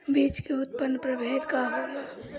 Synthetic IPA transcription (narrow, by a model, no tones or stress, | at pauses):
biːt͡ʃkeʊt̪̚pənːpɾəbʱeːd̪kaɦoːla